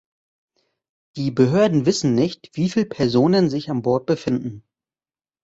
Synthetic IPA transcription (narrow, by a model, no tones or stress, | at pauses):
d̥iːbəɦøːɐdn̩vɪsn̩nɪçtv̥iːfiːlpʰɛɐzoːnənzɪçanbɔɐt̚b̥əfɪndn̩